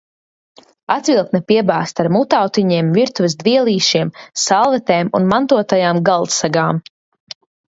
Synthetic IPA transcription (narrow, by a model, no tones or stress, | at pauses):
at̪vilˠk̪nɛpiɛbaːst̪aɾmut̪awt̪iɲiɛmviɾt̪uvɛzd̪viɛlˠiːʃiɛmsalˠvɛt̪ɛːmṵnmant̪uɔt̪ajaːmɡalˠt̪saɡaːm